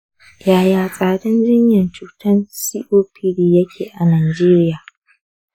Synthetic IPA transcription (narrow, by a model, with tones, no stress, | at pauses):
jaː˨jaː˨sʼaː˨dɐ˦nd͡ʒɪ˦ɲjɐ˨nt͡ʃuː˨tɐ˦nsiː˦ʔoː˦pʰi˦diː˨jɐ˦kʲʰeː˨ʔa˨naː˨d͡ʒeː˦ɾɪ˦jaː˨